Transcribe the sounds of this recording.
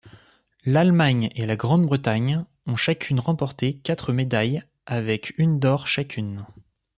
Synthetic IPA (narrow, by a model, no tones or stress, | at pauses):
lalmaɲelaɡʁɑ̃d̪bʁət̪aɲ | ɔ̃ʃakʲʰynʁɑ̃pɔʁt̪ekat̪χəmed̪aj | avɛkʰynd̪ɔʁʃakʲʰyn